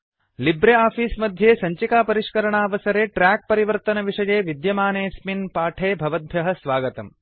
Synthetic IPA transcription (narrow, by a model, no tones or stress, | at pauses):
libɾeaːpiːsmɐd̪ʱjeːsɐɲt͡ʃikaːpɐɾiʂkɐɾɐɳaːʋɐsɐɾeːʈɾaːk̚pɐɾiʋɐɾt̪ɐnɐʋiʂɐjeːʋid̪jɐmaːneːsminpaːʈʰeːbʱɐʋɐd̪̚bʱjɐɦɐsʋaːɡɐt̪ɐm